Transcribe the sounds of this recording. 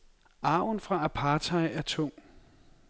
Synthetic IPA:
ɑ̈ʊ̰nfʁɑ̈ʔæpʰɑ̈ːt͡sʰɑ̈ɪæɐt͡sʰɔŋ̰

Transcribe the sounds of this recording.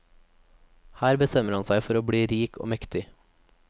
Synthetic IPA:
hæːɾbəst̪ɛməɾhɑnsæɪfɔɾoːbɽiːɾiːkʰo̰ːmɛkt̪ɪ

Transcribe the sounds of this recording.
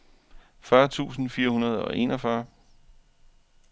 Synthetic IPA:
fɶɐt͡sʰṵːsn̩fiːɐɦunɐð̞ˠɒ̽ʔe̝̰nɒfɶɐ

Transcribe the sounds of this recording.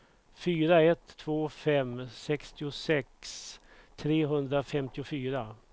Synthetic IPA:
fyːɾaɛt̪ʰːvoːfɛmsɛkst̪ɪʊsɛkst̪ʰɾeːɦɵnd̪ɾafɛmt̪ɪʊfyːɾa

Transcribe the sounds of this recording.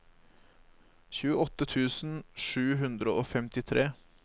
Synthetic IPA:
çʉːəɔt̪ət̪ʰʉːsn̩ʂʉːɦʉnd̪ɾəʔoːfɛmt̪ɪt̪ʰɾeː

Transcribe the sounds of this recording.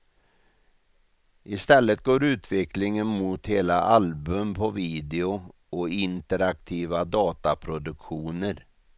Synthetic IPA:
ʔɪst̪ɛlːət̪̚ɡoːɾʉ̟ːt̪ʰvɛklɪŋənmʊt̪heːlaʔalbɵmpʰɔviːd̪ɪʊ | ɔɪnt̪əɾak̚t̪ʰiːvad̪ɑːt̪apʰɾʊd̪ɵkɧuːnəɾ

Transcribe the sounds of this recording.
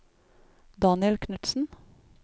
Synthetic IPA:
d̪ɑːnɪəlkʰnʉt̪sn̩

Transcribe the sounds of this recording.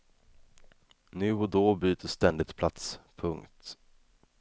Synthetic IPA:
nʉ̟ːɔd̪oːbyːt̪ʰəst̪ɛnd̪ɪt̪pʰlat̪spʰɵŋkt̪

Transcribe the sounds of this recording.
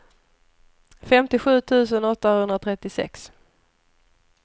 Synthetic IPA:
fɛmt̪ɪɧʉ̟ːt̪ʰʉ̟ːsənɔt̪ːahɵnd̪ɾat̪ʰɾɛt̪ːɪsɛ̰ks

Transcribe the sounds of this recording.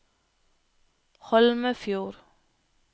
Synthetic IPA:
hɔlməfjuːɾ

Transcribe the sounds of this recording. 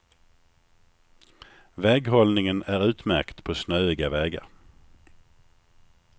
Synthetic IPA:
vɛːɡɦɔlnɪŋənæɾʉ̟ːt̪mæ̰ɾkt̪pʰɔsnœːɪɡavɛːɡa̰ɾ

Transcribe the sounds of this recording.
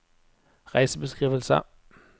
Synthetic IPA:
ʁɑɪsəb̥e̝sɡ̥ʁḭːʋəl̩sɐ̰

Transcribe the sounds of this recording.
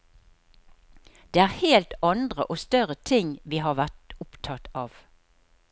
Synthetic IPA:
d̪̥eːæːʁheːlt̪ɑnd̪ʁəʔoːst̪œʁət̪ʰɪŋʋiːɦɑːʁʋæʁt̪ʊpt̪ʰɑt̪ɑːʋ

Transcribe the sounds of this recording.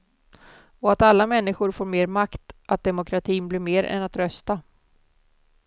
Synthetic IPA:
ɔat̪alːamɛnːɪɧʊɾfoːɾmeːɾmakt̪ʔat̪̚d̪ɛmʊkʰɾat̪ʰiːnblɪɾmeːɾɛ̰nat̪ɾœst̪a

